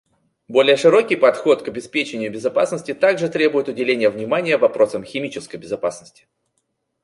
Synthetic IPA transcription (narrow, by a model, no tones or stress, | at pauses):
bo̞lʲɪjəʂɨɾo̞kʲɪjpɐt̪xo̞t̪kəbʲɪspʲet͡ɕɪnʲɪjʊbʲɪzɐpasnəsʲtʲɪt̪aɡʐɨt̪ɾʲe̞bʊjɪt̪ʊdʲɪlʲenʲɪjəvnʲɪmanʲɪjəvɐpɾo̞səmxʲɪmʲit͡ɕɪskəjbʲɪzɐpasnəsʲtʲɪ̥